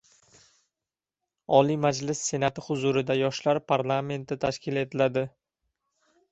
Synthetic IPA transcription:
ɒlijmad͡ʒlɪsːe̞nat̪ɪhʊzʊɾɪd̪ajɒʃlaɾpʰaɾlˠame̞nt̪ɪt̪ʰaʃkʲɪle̞t̪ʰɪlad̪ɪ

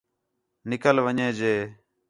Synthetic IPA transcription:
nɪkəlʋəɲẽːd͡ʒeː

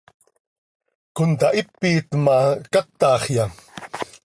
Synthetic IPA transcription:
kʊnt̪aʔipːiːt̪makat̪ːɑːχjɑ

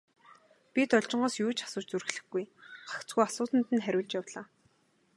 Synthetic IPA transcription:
pit̪ɔɮt͡ɕɪ̆ɴɢɔːsjuːt͡ɕʰḁsʊːt͡ɕt͡sur̆xɮɘ̆xɡujɢakt͡sɡujasʊːt̪ə̆nt̪ɘ̆nχæɾʲʊːɮt͡ɕjawɮaː

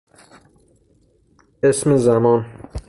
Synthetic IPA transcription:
esmezæmɒn

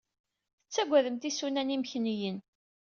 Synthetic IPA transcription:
ət͡sːæɡʷːæðəmt̪isunænimçnijən

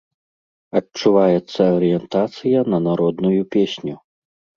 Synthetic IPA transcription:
ɐt͡ʂuvajɛt̪sːɐɐɾɨjɛnt̪at̪sɨjɐnɐnaɾɔd̪nujupʲesʲnʲu

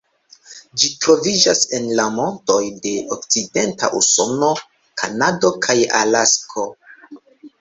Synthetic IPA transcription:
d͡ʒitɾo̞vid͡ʒase̞nlamo̞nto̞jde̞ʔok̚t͡side̞nta̰ʔusono̞ | kʰanado̞kʰaja̰laskʰo̞

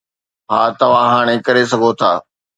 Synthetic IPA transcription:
ɦaːt̪ɐʋ̤ãɦaːɽ̃ẽkɐɾesɐɡʱot̪ʰaː

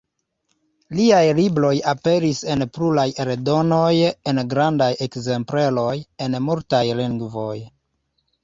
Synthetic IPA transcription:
liajlibɾo̞jape̞ɾise̞npɾulajeɾedo̞noje̞nɡɾandaje̞kze̞mpɾe̞lo̞je̞nmuɾtajliŋɡvo̞j

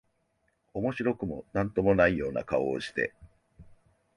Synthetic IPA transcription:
o̞mo̞ɕiɾo̞kɯ̟mo̞̰nãnt̪o̞mo̞naijo̞ːna̰kao̰ːɕi̥t̪e̞̰

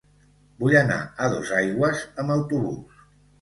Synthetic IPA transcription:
bujəna̰əð̞o̰zajɣwəzəmbəwt̪uβṵs

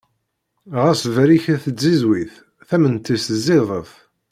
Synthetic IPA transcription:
ʁæsvɾiçæθəd͡zːizwiθ | θæmənt̪ːisəzːɪðˤəθ

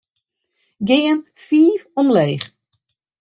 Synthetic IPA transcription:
ɡɪən | fiːfɔmleːx

